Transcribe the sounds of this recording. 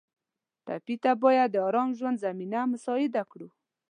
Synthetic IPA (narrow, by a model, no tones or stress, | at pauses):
t̪a̰pit̪abɑjad̪ːəɑɾɑmʒwand̪zaminamʊsɑɪd̪akɽu